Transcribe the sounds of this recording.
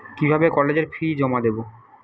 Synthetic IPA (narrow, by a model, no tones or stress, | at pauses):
kibʱabekɔled͡ʑeɾfʰɾid͡ʑɔmad̪ebo